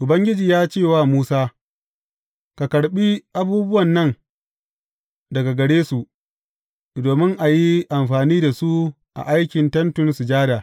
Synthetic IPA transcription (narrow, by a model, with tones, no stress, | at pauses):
ʔʊ˨bɐ˦ŋɡʲɪ˦d͡ʒiː˨jaː˦t͡ʃeː˦˨waː˦˨muː˦saː˦ | ka˨kɐ˨ɽɓi˦ʔa˦buː˦bʊ˦wɐ˨nːɐ˦ŋ | dɐ˨ɡa˨ɡɐ˨ɽeː˦su˨ʔ | doː˨mɪ˦ŋʔa˨ji˦ʔa˨mɸaː˨niː˦da˨su˦ | ʔa̰˨ʔa˦jkʲɪ˨ntɐ˦ntʊ˦nsu˨d͡ʒaː˦daː˨